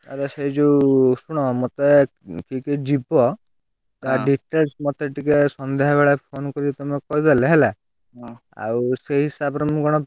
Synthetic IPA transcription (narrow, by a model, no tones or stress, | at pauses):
aɾeseid͡ʒusuɽ̃ɔmɔt̪e | kikeʈ̚d͡ʒibɔ | t̪aɖiʈelsmɔt̪eʈikesɔnd̪eɦɔbeɭapʰonkɔɾit̪ɔmekɔid̪eleɦele | a̰wseɦɦisabɾɔmukɔɽ̃ɔ